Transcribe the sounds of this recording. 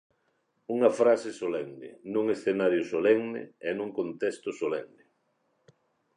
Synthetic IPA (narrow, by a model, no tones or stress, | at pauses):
uŋɐfɾasɪsolɛŋnɪ̰nũŋesθenaɾjosolɛŋnɪ̰ɛnũŋkont̪ɛst̪ʊsolɛŋnɪ